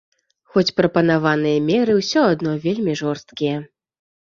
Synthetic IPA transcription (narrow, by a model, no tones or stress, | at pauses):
xɔt͡sʲpɾɐpɐn̪avanɨjɐmʲɛɾɨwsʲɔad̪nɔvʲelʲmʲiʐɔrst̪̚kʲijɛ